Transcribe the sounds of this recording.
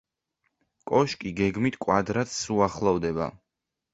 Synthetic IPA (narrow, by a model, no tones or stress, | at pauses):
kʼɔʃkʼiɡɛɡmit̪ʰkʼwad̪ɾat̪suaχlˠɔvd̪ɛba̰